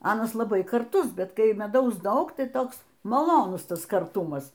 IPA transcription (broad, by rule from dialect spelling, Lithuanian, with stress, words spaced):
ˈɑːnɐs lˠɐˈbɐɪ kɐrˈtʊs ˈbʲɛt kɐɪ mʲɛˈdɐʊs ˈdɐʊk ˈtɐɪ ˈtoːks mɐˈlˠoːnʊs ˈtɐs kɐrˈtʊmɐs